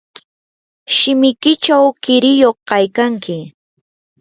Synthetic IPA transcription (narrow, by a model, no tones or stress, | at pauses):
ʃɪmɪkɪt͡ʃawkɪɾɪjoχkajkaŋkɪ